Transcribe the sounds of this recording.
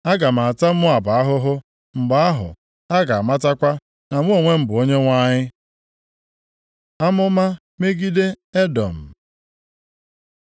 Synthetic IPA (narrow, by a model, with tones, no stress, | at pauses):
a˦ɡa˨m˨a˨a˨ta˦m̩˦mʊ˦a˨ba˨a˦ɦʊ˦ɦʊ˦ | m̩˨ba˨a˦ɦʊ̰˨ | a˦ɡa˨a˨ma˦ta˦kʷa˦ | na˨m˦o˨ŋʷe˦m̩˨bʊ˨o˦ɲe˦ŋʷa˦ɲɪ˦ | a˦mʊ˦ma˦ | me˦ɡi˦de˦ | e˦dɔ̰˨m̩˨